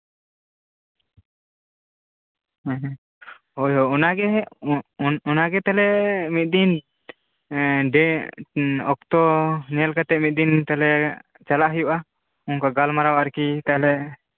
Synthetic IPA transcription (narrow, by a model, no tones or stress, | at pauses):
ɛɦ | hojɦɔunaɡɛ | ɔnaɡɛt̪ɛlɛmit̪̚ˀd̪in | ɖɛ | ɔk̚t̪ɔnɛlkat̪ɛʔ̚mit̪̚ˀd̪int̪alɛ | t͡ʃalaʔɦəjuʔa | uŋkaɡalmaɾawaɾkit̪aɦɛlɛ